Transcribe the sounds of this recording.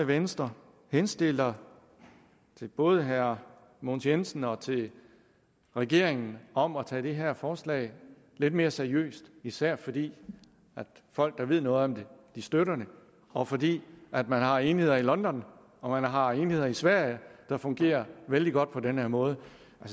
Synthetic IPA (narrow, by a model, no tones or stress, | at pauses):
eʋensd̥ʁɐ | hensd̥e̝l̰ɐ | t͡sʰe̝b̥ɔ̽ːð̞ˠəɦæɐ | monsensn̩ɒ̽t͡sʰe̝l | ʁɛɡ̥e̝̰ɐ̰eŋn̩ɒ̽mɒt͡sʰɛ̰ːd̥e̝ɦæɐ̰fɒːslɛ̰ɪ | le̝d̥̚me̝ːɐseɐiø̰ːsd̥isæɐ̰fɒ̽d̥ḭː | æd̥fɒ̽l̰ɡ̥̚d̥ɑ̈ʋe̝ð̞̰ˠnɔ̽ːð̩ˠɒ̽md̥e̝d̥isd̥øɾɐnə | ɒ̽fɒ̽d̥ḭːæd̥mænɦɑ̈eːnihe̝ð̰ˠɐilɒ̽nd̥ɒ̽n | ɒ̽mænɦɑ̈eːnihe̝ð̰ˠɐisʋæɐ̰jəd̥ɑ̈fɔ̽ŋɡ̥e̝̰ːɐʋeld̥iɡ̥ɒ̽d̥̚pʰɒ̽denhæɐmɔ̽ːð̞ˠə | ælsə